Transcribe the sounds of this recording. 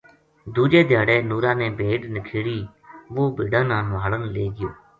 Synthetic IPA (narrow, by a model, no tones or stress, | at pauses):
d̪uːd͡ʒeːd̪ʱjaːɽeːnuːɾãːnẽːbʱeːʈnəkʰeːɽiː | ʋoːbeːɖãːnãːnʋaːɽənleːɡɪjoː